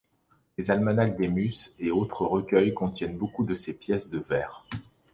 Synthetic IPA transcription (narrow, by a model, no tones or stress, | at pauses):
lezalmanak̚d̪emyseot̪χəʁəkʲœjkɔ̃t̪jɛnbokud̪əsepjɛsd̪əvɛːʁ